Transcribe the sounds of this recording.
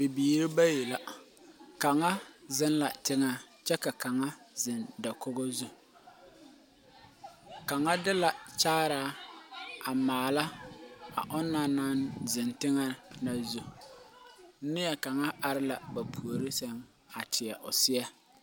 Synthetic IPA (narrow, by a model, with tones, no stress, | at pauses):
bɪ˨biː˨ɾɪ˦ba˦ji˨la˨ | ka˨ŋa˦zɪ˦nla̰˨tɪ˦ŋa˦ | t͡ʃɛ˦ka˨ka˨ŋa˦ | zɪ˨nda˨ko˦ɣɔ˦zu˦ | ka˨ŋa˦dɪ˦la˨t͡ʃaː˦ɾaː˦ | a˨maː˨la˦a˨ʔɔ˦nːa˨na˦nzɪ˨ntɪ˦ŋa˦na˨zu˨˦ | nɪ˦jɛ˨ka˨ŋa˦a˨ɾɪ˦la˨ba˨pʰu˨o˨ɾɪ˦sɛ˦ŋ | a˨tʰɪ˨ɛ˨ʔʊ̰˨sɪ˦ɛ˦